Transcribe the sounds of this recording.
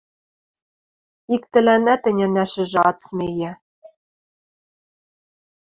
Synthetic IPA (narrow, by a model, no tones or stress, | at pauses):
ikt̪ɘ̆lænæt̪ɘ̆nʲænæʃɘ̆ʒɘ̆ɑt͡smejɘ̆